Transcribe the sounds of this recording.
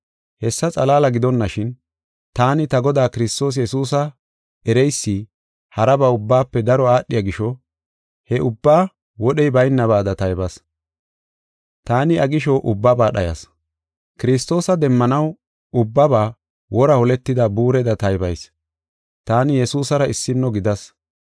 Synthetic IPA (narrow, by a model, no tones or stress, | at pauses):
hɛsːɐt͡sʼɐlaːlɐɡɪd̪ɔnːɐʃɪn | t̪aːnɪt̪ɐɡɔd̪aːkɪɾɪst̪o̞ːs̬jɛsuːsɐ | ɛɾɛjsːɪ | hɐɾɐbɐʊbːaːpːɛd̪ɐɾɔaːɗːɪjɐɡɪʃɔ | hɛʔʊbːaː | wɔɗɛjbɐjnːɐβaːd̪ɐt̪ɐjbɐs | t̪aːnɪɐɡɪʃɔʔʊbːabaːɗɐjɐ̰s | kɪɾɪs̬t̪o̞ːsɐd̪ɛmːɐnɐw | ʊbːɐbaː | wɔɾɐhɔlɛt̪ːɪd̪ɐbuːɾɛd̪ɐt̪ɐjbɐjs | t̪aːnɪjɛsuːsɐɾɐɪsːɪnːɔɡɪd̪ɐs